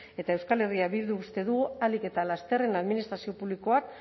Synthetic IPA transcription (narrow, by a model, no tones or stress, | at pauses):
e̞t̪aewskale̞riaβild̪uːst̪e̞ðuɣualike̞t̪alast̪e̞renaðminist̪ɾasio̞puβliko̞ak